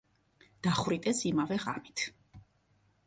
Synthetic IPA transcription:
d̪̥aχwɾit̪ʼɛsimavɛʁa̰mit̪ʰ

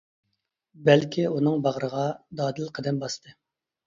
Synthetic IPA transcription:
bɛlkʲʰiunɨŋbɑʁɾəʁɑd̪ɑːd̪ɨlqʰəd̪ɛmbɑst̪ʰɨ

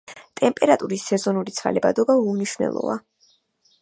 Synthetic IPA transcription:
t̪ʼɛmpʼɛɾat̪ʼuɾisːɛzɔnuɾit̪sʰχa̰lɛbad̪ɔbaumniʃvnɛ̰lˠɔ̰va

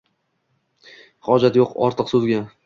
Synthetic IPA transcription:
χɒd͡ʒat̪joqɒ̰ɾt̪ʰɨqsuzɡʲa

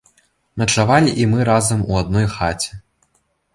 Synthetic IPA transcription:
mʲɐt͡ʂavalʲiʔimɨɾazɐmuad̪nɔjxat͡sʲi̥

